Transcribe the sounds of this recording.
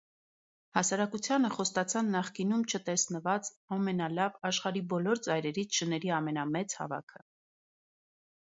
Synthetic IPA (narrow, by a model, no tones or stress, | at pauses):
hɑsɑɾɑkut͡sʰjɑnəχɔst̪ɑt͡sʰɑnːɑχkinumt͡ʃʰət̪ɛsnəvɑt͡s | ɑmɛnɑlɑvɑʃχɑɾibɔlɔɾt͡sɑjɾɛɾit͡sʰʃənɛɾiɑmɛnɑmɛt͡shɑ̰vɑ̰kʰə